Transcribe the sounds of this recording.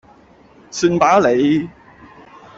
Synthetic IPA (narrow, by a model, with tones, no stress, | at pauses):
syː˧npaː˨˥le˨˧j